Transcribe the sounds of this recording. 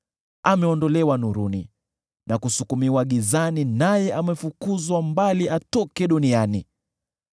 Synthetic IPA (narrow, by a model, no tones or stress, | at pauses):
amɛɔndɔlɛwanuɾunḭ | nʔakusukumiwaɠizaninajɛʔamɛfukuzwambaliʔatɔkɛɗuniani